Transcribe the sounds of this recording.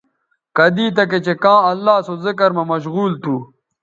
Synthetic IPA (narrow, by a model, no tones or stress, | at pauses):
kɐd̪iːt̪ɐk̬et͡ɕekãːɐlːaːsozɪkɐɾmɐmɐɕ̬ɣuːlt̪ʰuː